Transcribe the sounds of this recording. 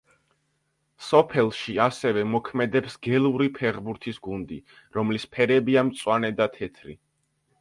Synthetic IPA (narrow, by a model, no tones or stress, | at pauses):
sɔpʰɛlˠʃiasɛvɛmɔkʰmɛd̪ɛpsɡɛlˠuɾipʰɛʁbuɾt̪ʰisɡund̪ḭ | ɾɔmlispʰɛɾɛbiamt̪sʼwanɛd̪at̪ʰɛt̪ʰɾḭ